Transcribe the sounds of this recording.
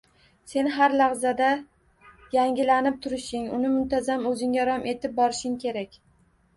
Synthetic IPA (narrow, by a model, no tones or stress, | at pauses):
se̞nɦaɾlaʁzad̪a | jaŋɡʲɪlanɪp̚t̪ʰʊɾɪʃɪŋʊnɪmʊnt̪ʰazamɵzɪŋaɾɒmʔe̞t̪ʰɪp̚bɒɾɪʃɪŋkʲʰe̞ɾakʲ